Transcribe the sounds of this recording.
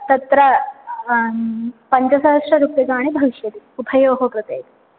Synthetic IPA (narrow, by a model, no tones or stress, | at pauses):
t̪ɐt̪ɾɐ | pɐɲt͡ɕɐsɐɦʂɾɐɾupjɐɡaːɽ̃ibʱɐʋiʃjɐt̪iupʰɐjoːɦokɾɪt̪ejt̪i